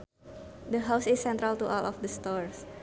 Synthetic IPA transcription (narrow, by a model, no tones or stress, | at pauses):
dəɦawsɪsːɛ̃nt̪ɾalt̪uʔɔlɔfdəst̪ɔɹs